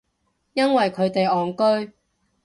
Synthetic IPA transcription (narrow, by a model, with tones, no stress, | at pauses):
jɐ˥nwɐ˨jkʰɵ˨˧ɥt̪e˨jɔː˨nkɵ˥ɥ